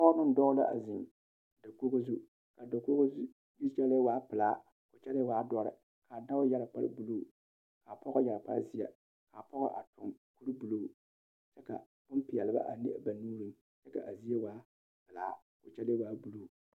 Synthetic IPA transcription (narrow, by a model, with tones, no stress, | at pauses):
pɔ˦nɨ˦n˦dɔ˦ɣla̰˦ʔa̰˨zɪ˨m | da˨ko˦ɣo˦zu˦ | ka˨da˨ko˦ɣo˦ | ji˦t͡ʃɛ˦le˦waː˦pɨ˨laː˨˦ | kʊ˨t͡ʃɛ˦le˦waː˨˦dɔ˨˦ɾɪ̰˨ | ka˨da˦wʊ˦ja˦ɾa˨k͡pa̰˦ɾɨ̰˦bu˨loː˦˨ | ka˨pɔ˦ɣʊ˦ja˨ɾa˨pa̰˦zi˦ja̰˨ | ka˨pɔ˦ɣa̰˦ʔa˨tʰʊ˨ŋku˦ɾɨ˦bu˨loː˦˨ | t͡ʃɛ˦ka̰˨ | bʊ˦mpɪ˨jɛ˨lɨ˨ba̰˦ʔa˨ni˦ʔa˦ba˨nuː˦ɾɨ˦m | t͡ʃɛ˦ka̰˨ʔa˨zi˦e˦waː˦ | pɨ˨la̰ː˨˦ | kʊ˨t͡ʃɛ˦le˦waː˨˦bu˨lo˨